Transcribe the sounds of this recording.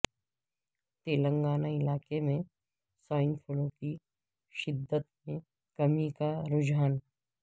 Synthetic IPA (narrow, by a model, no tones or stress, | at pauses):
t̪eːlə̃ŋɡaːnaɪlaːkemẽ | saːɪnpʰʊlõki | ʃɪd̪ːət̪̚mẽ | kɐmikaɾʊd͡ʒaːn